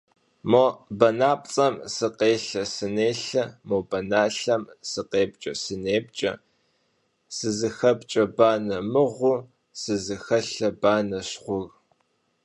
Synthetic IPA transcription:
mobɐnaːpʼt͡sʼɐmsɨqeːɬɐsɨneːɬɐmobɐnaːɬɐmsɨqeːp̚t͡ʃʼɐsɨneːp̚t͡ʃʼɐ̰ | sɨzɨxɐpt͡ʃʼɐbaːnɐmɨʁʷʊ | sɨzɨxɐɬɐbaːnɐɕχʷʊɣ

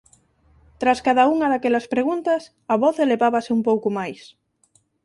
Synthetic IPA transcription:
t̪ɾaskaðauŋɐðakɛlɐspɾeɣunt̪ɐs | ɐβɔθeleβaβasɪumpowkʊmajs

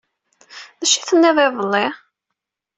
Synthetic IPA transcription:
ðæʃiθənːɪðˤeðˤəlːɪ

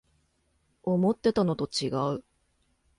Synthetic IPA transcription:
o̞mo̞t̪ːe̞t̪ano̞t̪o̞t͡ɕiɡaɯ̟

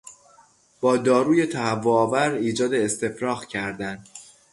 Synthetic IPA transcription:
b̥ɒːd̪ɒːɾuːje̞t̪ʰæhævːoɒːvæɾiːd͡ʒɒːd̪e̞ːst̪e̞fɾɒːɣcʰæɾd̪æn

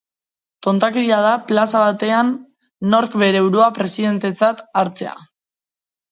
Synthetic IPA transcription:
t̪o̞nt̪akeɾiað̞aplasaβ̞at̪e̞anː | o̞ɾkβe̞ɾeːwɾoapɾe̞siðe̞nt̪e̞t͡sat̪aɾt͡se̞a̰

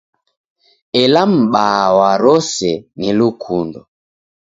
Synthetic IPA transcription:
ɛlam̩ɓawaɾɔsɛnilukʰundɔ

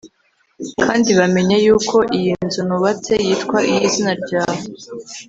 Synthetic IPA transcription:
kʰaːndiβame̞ɲajuːkʰo̞ʔijinzunuβat͡se̞jiːtkwaʔijizinaɾɟaːho

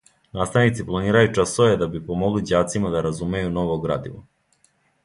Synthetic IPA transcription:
naːst̪aʋnit̪siplˠaniːɾajut͡ʂasoʋed̪abipomoɡlid͡ʑaːt̪simad̪aɾazume̞juno̞ʋoɡɾa̰ːd̪iʋo̰

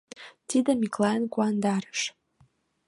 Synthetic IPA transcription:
t̪id̪əmʲiklˠɑjənkuɑnd̪ɑɾə̥ʃ

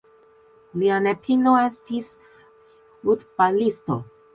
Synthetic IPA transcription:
lianepʰinoest̪is | ut̪palist̪o̰

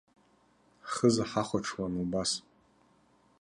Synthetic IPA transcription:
χəzaħaχʷaʈ͡ʂʰwanubas

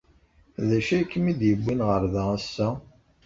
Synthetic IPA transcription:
ðæʃæjkːmid̪jəbːinʁəɾðææsːæ

